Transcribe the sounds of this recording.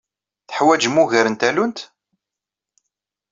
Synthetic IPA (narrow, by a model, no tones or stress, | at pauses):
θə̥ħwæd͡ʒmuʝəɾənt̪ælunt̪